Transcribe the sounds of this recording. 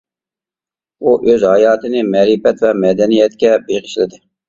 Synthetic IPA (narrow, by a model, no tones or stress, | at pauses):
uʔøzhɑjɑːt̪ʰɨnɪmɛɾipɛt̪vɛmɛd̪ɛnijɛt̪kʲɛbeʁɪʃlɪd̪ɪ